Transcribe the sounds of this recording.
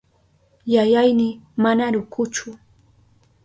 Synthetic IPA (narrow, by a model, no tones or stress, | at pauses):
jajajnɪmanaɾʊkʊt͡ʃʊ